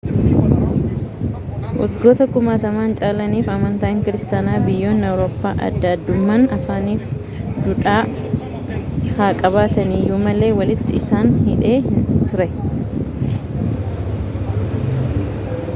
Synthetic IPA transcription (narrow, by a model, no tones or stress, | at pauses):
wʔɐ̰ɡːo̞ːt̪ɐkʊmaːt̪ɐmaːnt͡ʃʼaːlɐniːfɐmɐnt̪aːɪŋkɪɾɪst̪aːnaːbɪjːo̞ːnɐwɾoːpːa̰ːʔɐ̰d̪ːɐːd̪ːʊmːanɐfaːniːf | d̪ʊᶑaː | haːkʼɐbaːt̪ɐniːjuːmɐlːe̞ːwɐlɪt̪ːɪɪsaːnhɪᶑe̞ːhɪnt̪ʊɾɛ